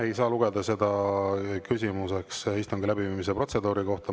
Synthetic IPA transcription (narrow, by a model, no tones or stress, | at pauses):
e̞jsɑːluɡ̥e̞d̪ɑse̞d̪ɑkysʲimuse̞ksist̪uŋɡilæbiviːmis̬epro̞t̪se̞d̪uːɾiko̞ht̪ɑ